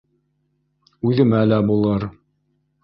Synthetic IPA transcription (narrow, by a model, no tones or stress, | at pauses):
ʉðɘ̆mælæbulˠɤɾ